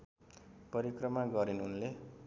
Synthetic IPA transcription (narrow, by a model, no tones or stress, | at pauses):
pʌɾikrʌmaɡʌɾinunle